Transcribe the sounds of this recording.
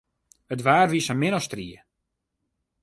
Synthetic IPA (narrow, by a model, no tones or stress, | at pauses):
ətʋaːrʋisəmɪnɔstriə